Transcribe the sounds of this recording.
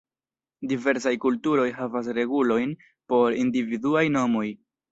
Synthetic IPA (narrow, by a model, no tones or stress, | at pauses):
dive̞ɾsajkultuɾo̞jɦavas̬ɾe̞ɡulo̞jn | po̞ɾindividuajno̞mo̞j